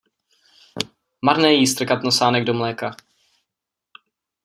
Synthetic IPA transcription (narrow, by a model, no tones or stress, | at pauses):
maɾnɛːjist̪ɾ̩kat̪nosaːnɛɡdomlɛːka